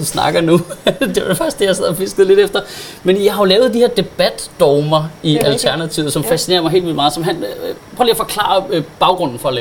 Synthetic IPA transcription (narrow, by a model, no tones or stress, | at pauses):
nsnɑ̈ɡ̥ɐnud̥e̝ʋɑ̈d̥efɑɡ̥isd̥e̝jɑ̈ɪsɛð̰ˠɒfesɡ̥ð̩ˠle̝ɾ̥efd̥ɐmenjɑ̈ɪhɑo̝lɛːʊð̩ˠd̥iheɐd̥e̝b̥æd̥ːɒːmɐiælt͡sʰæɐnæt͡sʰiʊð̩ˠsɒ̽mfæsine̝ːɐmɑɪɦe̝̰lʋilmɑ̈ːð̩ˠsɒ̽mɦænpʰɔoliɐfɒ̽kʰlɑ̰̈ːɐb̥ɑ̈ʊɡ̥ʁɔ̽n̰n̩fɒ̽lɛː